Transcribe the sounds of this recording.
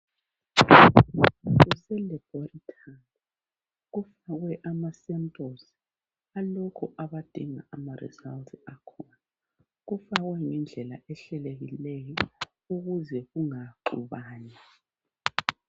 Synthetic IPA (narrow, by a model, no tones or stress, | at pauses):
ɣusɛlɛb̥ʱoritʰani | ɣufaɣwɛʔamasɛmtʼosi̥ | alɔkʰɔʔaβad̥ʱiŋa̰ʔamarḭza̰ltʰʼakʰɔna | ɣufaɣwɛŋɛnd͡ɮʱɛla̰ʔɛɬɛleɣilɛjɔ | uɣuzɛɣuŋaǃṵβaːna